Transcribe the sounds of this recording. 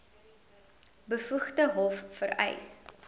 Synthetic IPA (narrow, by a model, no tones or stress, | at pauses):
bəfuχtəɦɔfːəɾɛ̰js